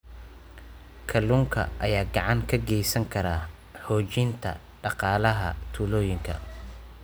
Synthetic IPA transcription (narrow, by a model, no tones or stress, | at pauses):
kʰɐluːŋkʰɐ̰ʔɐjaːɡɑʕɑŋkʰɐɡɛjsɐŋkʰɐɾaː | hɔːt͡ʃɪnt̪ʰɐ̰ | ɖɑqɑːlɐɦɐ̰t̪ʰuːlɔːjɪŋkʰɐ̰